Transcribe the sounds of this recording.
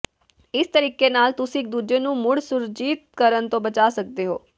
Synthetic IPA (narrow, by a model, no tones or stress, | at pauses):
ɪst̪əɾiːkenaːlt̪ʊsĩɪk̚d̪uːd͡ʒeːnũːmʊɽsʊɾd͡ʒiːt̪̚kəɾənt̪õːbət͡ʃaːsək̚d̪eːɦo̰ː